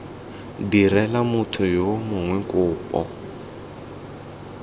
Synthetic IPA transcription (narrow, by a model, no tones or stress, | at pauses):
dirɛlamʊtʰʊjomʊŋwɛŋkʼʊːpʼɔ̰